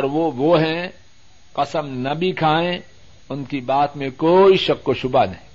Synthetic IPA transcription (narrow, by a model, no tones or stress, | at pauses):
ɔɾʋoʋoɦɛ̃ | qɐsəmnɐbʱikʰaːẽ | ʊnkibaːt̪mẽkoːiʃɐkːkoʃʊbanɐɦĩ